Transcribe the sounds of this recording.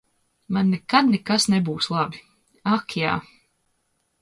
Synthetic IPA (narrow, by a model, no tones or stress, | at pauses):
manːɛkad̪nɛkasnebuːslˠabi | akʰja̰ː